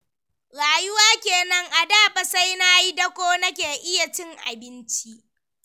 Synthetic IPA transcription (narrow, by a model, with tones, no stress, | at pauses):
ɽaː˨jʊ˦waː˦kʲeː˨nɐ˦ŋʔa˨daː˦˨ɸɐ˨sa˦jna˦ji˦dɐ˦kʷoː˦nɐ˦kʲeː˨ʔɪ˦ja˨t͡ʃɪ˦ŋʔa̰˨bɪ˦nt͡ʃi˦ʔ